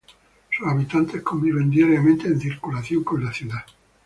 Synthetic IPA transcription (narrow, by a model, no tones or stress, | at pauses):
susaβ̞it̪ant̪e̞hko̞mbiβe̞nd̪iaɾjamẽnt̪e̞ːn̟θiɾkulaθjo̞ŋko̞nlaθjuða